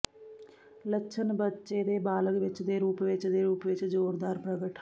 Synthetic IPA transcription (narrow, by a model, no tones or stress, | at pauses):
ləʃʰənbətːʃeːd̪eːbaːləkʋɪt͡ʃd̪eːɾuːpʋɪt͡ʃd̪eːɾuːpʋɪt͡ʃzoːɾd̪aːɾpɾəɡəʈ